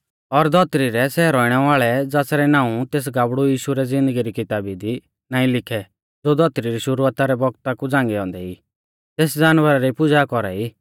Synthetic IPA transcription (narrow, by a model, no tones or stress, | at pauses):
ɔɾd̪ʱɔt̪ɾiɾɛsɛːɾɔiɽ̃ɛʋaːɭɛd͡zaːsɾɛnãːũt̪eːs̬ɡaːbɽujiːʃuɾɛd͡zɪ̃nd̪əɡiɾikɪt̪aːbid̪i | nãːĩlɪkʰɛ | d͡zod̪ʱɔt̪ɾiɾiʃʊɾuaːt̪aɾɛbɔɡ̚t̪akud͡zãːŋɡɛɔ̃ːnd̪ɛiː | t̪eːsd͡zaːnʋəɾaɾipʊd͡zakɔɾaiː